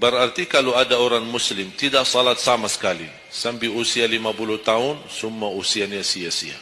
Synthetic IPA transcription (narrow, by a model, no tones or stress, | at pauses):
bəɾart̪ikaloadaoɾaŋmuslɪmt̪idaʔsɔlat̪̚samasə̥kali | sambiusialimapuluht̪aʊnsumːausianjasiasia̰